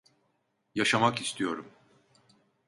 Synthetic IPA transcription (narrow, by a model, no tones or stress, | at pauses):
jaʃamakist̪ʰijo̞ɾum